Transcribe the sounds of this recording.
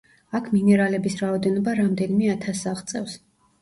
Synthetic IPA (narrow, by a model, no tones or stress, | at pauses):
akʰminɛɾalɛbisɾaɔd̪ɛnɔbaɾamd̪ɛnimɛat̪ʰasaʁt̪sʼɛfs